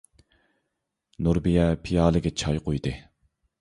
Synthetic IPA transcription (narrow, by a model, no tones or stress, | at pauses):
nuɾbijɛpʰijɑːlˠɨɡʲɛt͡ʃʰɑjqʰojd̪ɨ